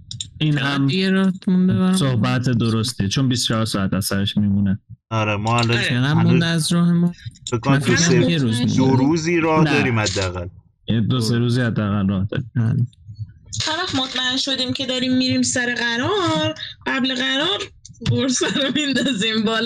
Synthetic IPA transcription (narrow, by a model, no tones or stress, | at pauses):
iːnhæmjeɾɒːhmund̪ebæsohbæt̪ʰed̪oɾost̪ʰit͡ʃʰonbistt͡ʃʰɒɦɒɾsɒːæt̪æsæɾeʃmiːmuneɒɾemɒalɔfʰeɣæmmund̪ææzɾɒːɦemɔfekːomænnæjeɾuːzmṵoɾuːziːɾɒːhnæd̪ɒːɾiːmhæd̪ːeæɣæl | ed̪oseɾuːziːhæd̪ːeæɣælrɒːhd̪ɒ̰ːɾiːmbæle | hæɾvæχmot̪ʰmæenʃo̞d̪iːmcʰe̞d̪ɒːɾiːmːiɾiːmsæɾeɣæɾɒɾɢæbleɣæɾɒːɾpʰoɾsæɾomind̪ɒzimbɒːl